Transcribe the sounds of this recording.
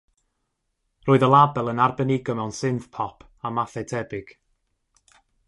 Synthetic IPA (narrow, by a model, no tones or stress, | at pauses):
roːɨðəlˠabɛlˠənarbɛnɪɡɔmɛwnsɪnθpʰɔpʰ | amaθɛtʰɛbɪɡ̥